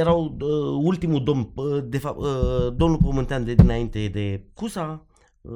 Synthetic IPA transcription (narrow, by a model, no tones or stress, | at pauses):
eɾawult̪imud̪omd̪efad̪omlupəmənt̪ʲand̪ed̪inaint̪ed̪ekusa